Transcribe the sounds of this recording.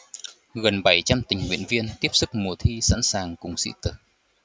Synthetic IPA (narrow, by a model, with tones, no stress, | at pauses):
ɣə˨˩nɓa˧˩jt͡ɕa˧mt̪ï˨˩ŋ̟ŋwḭ˧˨ənvi˧ənt̪i˦˥əp̚sɨ˦˥k̚mu˨˩ət̪ʰi˧sa̰˧˥nsaː˨˩ŋkʊ˨˩ŋ͡msḭ˧˥t̪ɨ˨˩ŋ